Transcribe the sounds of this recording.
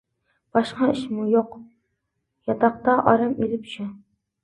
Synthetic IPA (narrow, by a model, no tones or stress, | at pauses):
b̥ɑʃqɑɪʃmʊjoq | jɑt̪ʰɑq̚t̪ɑʔɒɾɑmelɪpʃʊ